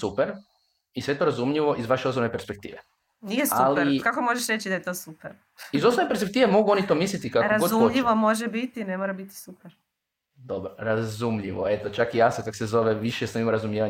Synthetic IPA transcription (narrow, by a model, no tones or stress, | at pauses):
supeɾ | isʋet̪o̞ɾazumʎiʋo̞ʔizʋaʃeosonepeɾspe̞k̚t̪iːʋe | nijesaliɾkako̞moʒeʃɾet͡ɕid̪ajet̪o̞supeɾ | iizosoʋnepeɾspek̚t̪iːʋemo̞ɡuo̞nit̪omislʲit̪ikakoɾazɡzumʎiʋomo̞ʒebit̪inemoɾabit̪i̥supeɾ | d̪o̞bɾoɾazumʎiʋo̰e̞t̪ot͡ʃakijasokako̥sezo̞ʋeʋiʃjesamimoɾazumjeʋa